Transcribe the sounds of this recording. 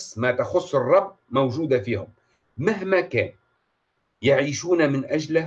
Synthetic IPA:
smat̪axʊsˤːɨrˤːɑbmawʒuːd̪afiːhʊm | maɦmakaːn | jaʕiːʃuːnamɪnʔad͡ʒl

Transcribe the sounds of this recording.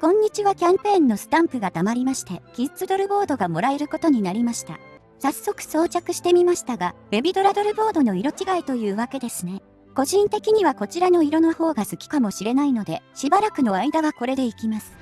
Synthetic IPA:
kõ̞ɲ̟ːit͡ɕiβakʲãmpẽ̞ːnːo̞sɨ̥t̪ãmpɯɡat̪amaɾʲimaɕi̥t̪e̞ɡ̥ʲizɨt͡sɨd̪o̞ɾɯ̟bo̞ːd̪o̞ɡamo̞ɾae̞ɾɯ̟ko̞t̪o̞ɲ̟inaɾʲimaɕi̥t̪a̰ | sasːo̞kɯ̟̥so̞ːt͡ɕakɯ̟ɕi̥t̪e̞mʲimaɕi̥t̪aɡabe̞bʲid̪o̞ɾad̪o̞ɾɯ̟bo̞ːd̪o̞no̞iɾo̞t͡ɕiɡait̪o̞jɯ̟ːβake̞d̪e̞sɨne̞ | ko̞ʑĩnt̪e̞kʲiɲ̟iβako̞t͡ɕiɾano̞iɾo̞noho̞ːɡasɨkʲi̥kamo̞ɕiɾe̞naino̞d̪e̞ɕibaɾakɯ̟no̞aid̪aβako̞ɾe̞d̪e̞ikʲimasɨ̥

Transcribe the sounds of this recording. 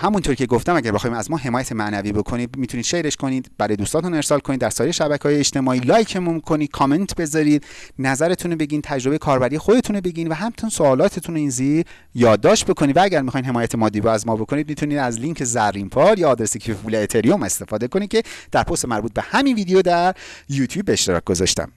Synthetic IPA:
hæmunt̪ʰoɾicʰe̞ɡoft̪æmæɟæɾbexːimæzmɒːɦe̞mɒːjæt̪ʰemæʔnæviːbo̞kʰo̞niːd̪mit̪ʰunid̪̥ʃe̞ɾe̞ʃkʰo̞niːd̪bæɾɒːjd̪uːst̪ɒːt̪une̞ɾsɒːlkʰonid̪ːæɾsɒːjeɾeʃæbæcʰeːjeːt͡ʃt̪e̞mɒːiːlɒːjcʰemumikʰo̞niːd̪̥kʰɒːme̞nt̪ʰbe̞zɒɾiːd̪næzæɾe̞t̪ʰunobe̞ɟiːnt̪ʰæd͡ʒɾobe̞jekʰɒːɾbæɾiːexod̪e̞t̪ʰunobe̞ɟiːnvæɦæmt̪ʰunsoɒːlɒːt̪ʰet̪ʰunoiːnziɾ | jɒːd̪ːɒːʃt̪̚bo̞kʰo̞nid̪vææɟæɾmixɒːjnɦe̞mɒːjæt̪ʰemɒːd̪iːbɛæzmɒːbo̞kʰo̞nid̪̚mit̪ʰuniːd̪æzliŋcʰezæɾːimpʰɒːɾjɒːd̪ɾesecʰfuleːt̪ʰeɾiome̞st̪e̞fɒːd̪e̞ko̞nid̪cʰʲe̞d̪̥æɾpʰo̞st̪emæɾbuːt̪̚be̞hæmiːnviːd̪ejod̪æɾjuːt̪ʰjuːbːeːʃt̪eɾɒ̰c̚ɡ̥o̞zɒ̰ʃt̪æ̰m

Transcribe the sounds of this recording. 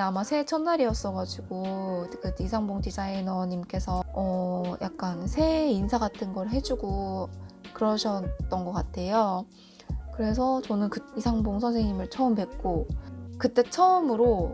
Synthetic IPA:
eamasʰe̞t͡ɕʰʌnːaɾiʌs͈ʌɡad͡ʑiɡ̥okɯtisʰaŋboŋdid͡ʑainʌɲimk͈e̞sʰʌʌjʔak̚k͈ansʰe̞insʰaɡatʰɯnɡʌɾɯɦe̞d͡ʑuɡo | kɯɾʌɕʰʌt͈ʌnɡʌk͈atʰe̞jo | kɯɾe̞s̬ʰʌt͡ɕʌnɯnkɯisʰaŋboŋsʰʌnsʰeŋɲimɯɭt͡ɕʰʌɯmpe̞k̚k͈okɯt͈e̞t͡ɕʰʌɯmɯɾo

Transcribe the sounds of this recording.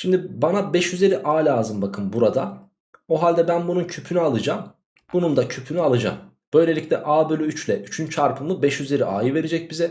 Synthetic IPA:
ʃimd̪ibanabɛʃjyze̞ɾiʔaːlʲaːzɯmbakʰɯmbuɾad̪a | oɦalʲd̪ɛbænbununcʰypʰynyalˠɯd͡ʒam | bunund̪acʰypʰynyalˠɯd͡ʒa̰m | b̥ø̞jlʲe̞lʲicʲlʲɛʔaːbølʲyyt͡ʃlʲɛyt͡ʃʰynt͡ʃʰaɾpʰɯmlˠɯbɛʃjyze̞ɾiʔa̰ːjɯve̞ɾed͡ʒɛc̚bizɛ

